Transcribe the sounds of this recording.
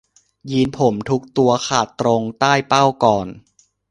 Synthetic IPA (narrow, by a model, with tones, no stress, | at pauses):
jiː˧npʰo˩˦mt̪ʰu˦˥k̚t̪u˧ɐkʰaː˨˩t̪ːɾo˧ŋt̪aː˥˩jpa˥˩wkɔː˨˩n